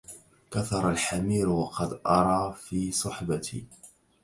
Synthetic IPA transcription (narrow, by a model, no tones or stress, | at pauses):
kaθɑɾˤalħamiːɾwɑqɑd̪ʔɑɾˤɑːfiːsˤʊħbat̪ʰḭː